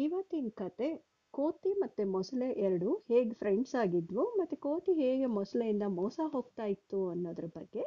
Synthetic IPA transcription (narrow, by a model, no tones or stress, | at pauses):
iʋɐt̪inkɐt̪e̞ | ko̞ːʈimɐt̪ːumɔsɐleʔɛɾɐɽuheːɡepʰɾeɳɖsaːɡid̪ʋumɐt̪ːukoːʈiɦeːɡemɔslejind̪ɐmɔːsɐɦo̞ːɡ̚t̪aːjit̪ːuɐnːoːd̪ɐɾɐbɐɡːe̞